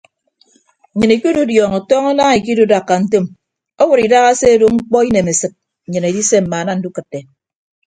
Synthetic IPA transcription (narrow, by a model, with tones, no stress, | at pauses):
ɲɨ˨ni˨ki˦du˦djɔː˨ŋo˨tɔː˦ŋa˦naː˦ŋi˨k̬i˦du˦da˨kːa˨n̩˦to˦m | o˦wu˨ɾi˨da˦ɣa˦se˦du˦ŋ͡m̩˦k͡pɔ˦i˦ne˨me˨sɨ˨t̩̚˨ | ɲɨ˨ne˨di˦se˦m̩˨ma˨˦na˦n̩˦du˦kɨ˨tːe˨